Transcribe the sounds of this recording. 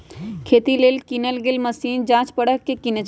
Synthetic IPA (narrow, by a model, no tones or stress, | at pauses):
kʰeːt̪ileːlkinəlɡeːlməsiːnd͡ʒãːt͡ʃpəɽəkːekinət͡ʃ